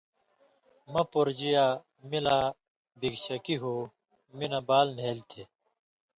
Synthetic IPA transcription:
mɐpoɾd͡ʑija | mila | biɡɕɐkiɦu | minɐbaːlneːlt̪ʰe

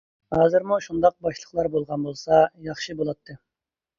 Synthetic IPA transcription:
hɑzɨɾmuʃund̪ɑq̚bɑʃlˠəχlˠɑɾbolˠʁɑnbolˠsɑjɑχʃɨbolˠɑt̪ʰːɨ

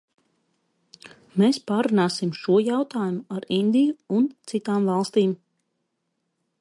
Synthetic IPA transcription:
mespaːɾunaːsimʃuɔjawt̪aːjumuaɾind̪ijuunt̪sit̪aːmvɑlˠst̪iːm

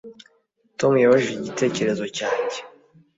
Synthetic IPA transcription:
to̞mujoβoʒeiɟite̞ːce̞ɾe̞zo̞caːce̥

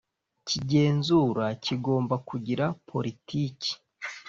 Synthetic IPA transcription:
ciɟe̞ːnzuɾaciɡo̞ːmbakuɟiɾapʰo̞ɾitiːci̥

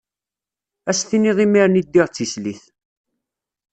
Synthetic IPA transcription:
æsθiniðˤimiɾnid̪ːiʁt͡sːisliθ

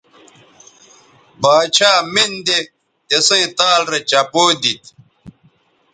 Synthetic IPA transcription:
baːt͡ɕʰaːmind̪e | esẽĩt̪aːlɾet͡ɕɐpoːd̪it̪

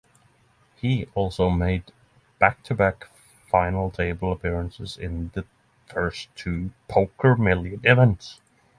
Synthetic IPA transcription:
hiɔlˠsoʊmeɪd̚ | b̥æk̚tʰɨbæk | fãɪ̃nl̩ˠtʰeɪbl̩ˠəpʰɪɹə̃nsɨzɪ̰̃nðɨ | fɜ˞stʰʉpʰoʊkʰə˞mɪlˠjɨ̃nɪvɛ̃nts

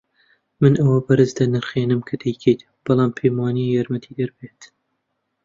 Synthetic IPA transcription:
mɨnʔɐwɐbɐɾɨzd̪ɐnɨɾχeːnɨmkʰɐd̪ɛjkʰet̪ | b̥ɨlˠɑːmpʰejmɑːnijɑːɾmɐt̪ʰiːd̪ɐɾbeːt̪

